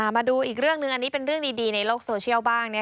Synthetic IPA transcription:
a˧˩maː˧duː˧ʔiː˨˩k̚ɾɯ˥˩əŋnɯ˧ŋʔa˧nːiː˦˥pe˧nɾɯ˥˩əŋdiː˧diː˧na˧jloː˥˩k̚soː˧t͡ɕʰi˥˩əwbaː˥˩ŋni˥˩

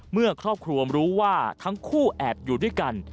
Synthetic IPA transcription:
mɯ˥˩ɐkʰɾɔː˥˩p̚kʰɾu˧ɐmɾuː˦˥waː˥˩t̪ʰa˦˥ŋkʰuː˥˩ʔɛː˨˩p̚juː˨˩du˥˩jka˧n

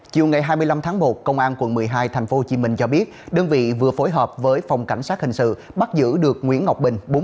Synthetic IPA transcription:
t͡ɕi˨˩əwŋa˨˩jɦaː˧jmɨ˧əla˧mt̪ʰaː˨˦ŋmo˨˩t̚kə˧wŋ͡mʔaː˧nkwə˧˩nmɨ˨˩əjɦaː˧jt̪ʰɛ˨˩jŋ̟fo˦ho˧˩t͡ɕi˨˦mï˧˩ŋ̟t͡ɕɔ˧ɓi˦˥ət̚ɗəː˧nvḭ˧˨vɨ˨˩əfo˨˦jɦəː˨˩p̚vəː˨˦jfa˨˩wŋ͡mka̰˧˩jŋ̟saː˦˥t̚hï˨˩ŋ̟sɨ̰˧˨ɓa˦˥t̚zɨ̰˧˥ɗɨ˨˩ək̚ŋwḭ˧˥ənŋa˨˩wk͡p̚ɓï˨˩ŋ̟ɓo˨˦

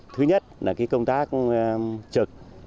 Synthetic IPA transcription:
t̪ʰɨ˨˦ɲə˦˥t̚laː˨˩kaː˨˦jkə˧wŋ͡mt̪aː˦˥k̚ | t͡ɕɨ˨˩k̚

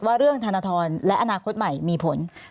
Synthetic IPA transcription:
waː˥˩ɾɯ˥˩əŋt̪ʰa˧na˧t̪ʰɔː˧nlɛ˦˥ʔa˧naː˧kʰo˦˥t̪̚ma˨˩jmiː˧pʰo˩˦n

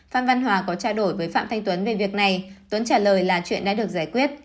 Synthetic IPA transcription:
faː˧nva˧nɦwaː˨˦kɔ˨˦t͡ɕaː˧ɗo˧˩jvəː˨˦jfa̰ː˧˨mt̪ʰa˧jŋ̟t̪wə˨˦nve˨˩vi˨˩ək̚na˨˩jt̪wə˨˦nt͡ɕaː˧˩ləː˨˩jlaː˨˩t͡ɕwḭ˧˨ənɗa̰ː˧˥ɗɨ˨˩ək̚zaː˧˩jkwi˦˥ət̚

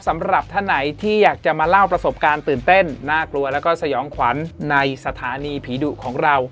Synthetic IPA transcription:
sa˩˦mɾa˨˩p̚t̪ʰa˥˩wna˩˦jt̪ʰiː˥˩jaː˨˩k̚t͡ɕa˨˩maː˧la˥˩wpɾa˧so˨˩p̚kaː˧nt̪ɯː˨˩nt̪e˥˩nːaː˥˩klu˧ɐlɛː˦˥wkɔː˥˩sa˧jɔː˩˦ŋkʰwa˩˦nːa˧jsa˧t̪ʰaː˨˩˦niː˧pʰiː˩˦du˨˩kʰɔː˩˦ŋɾa˧w

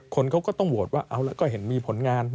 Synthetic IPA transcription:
kʰo˧nkʰa˦˥wkɔː˥˩t̪ɔ˥˩ŋbu˨˩t̪̚waː˥˩ʔa˧wlɛ˦˥wkɔː˥˩ɦe˩˦nmiː˧pʰo˩˦nŋaː˧n

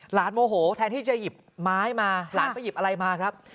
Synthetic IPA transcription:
laː˩˦nmoː˧ɦoː˩˦t̪ʰɛː˧nt̪ʰiː˥˩t͡ɕa˨ji˨˩p̚maː˦˥jmaː˧laː˩˦nʰa˥˩ji˨˩p̚ʔa˧ɾa˧jmaː˧kʰɾa˦˥p̚

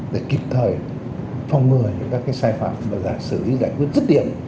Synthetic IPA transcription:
ɗḛ˧˩ki˨˩p̚t̪ʰəː˨˩j | fɔ˧wŋ͡mŋɨ˨˩əɲɨ̰˧˥ŋkaː˦˥kaː˨˦jsaː˧jfa̰ː˧˨mvaː˨˩za̰ː˧˨nsɨ˧˩lḭ˨˦za̰ː˧˨jkwi˦˥ət̚zə˦˥t̚ɗḭ˧˨ən

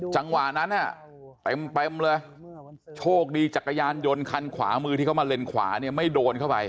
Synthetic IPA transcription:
t͡ɕa˧ŋwa˨˩na˦˥nʔa˨˩ | t̪e˨˧mt̪e˧mlɤː˧j | t͡ɕʰoː˥˩k̚diː˧t͡ɕa˨˩kːa˧jaː˧njo˧nkʰa˧nkʰwa̰ː˩˦mɯː˧t̪ʰiː˥˩kʰa˥˩ma˧le˧nkʰwa̰ː˩˦ni˥˩ɐma˥˩jdoː˧nkʰa˥˩wpa˧j

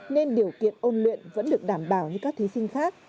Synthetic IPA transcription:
ne˧nɗi˨˩əwkḭ˧˨ənʔo˧nlḭ˧˨ənvə̰˧˥nɗɨ˨˩ək̚ɗaː˧˩mɓaː˧˩wɲɨ˧kaː˦˥k̚t̪ʰi˨˦sï˧ŋ̟xaː˦˥k̚

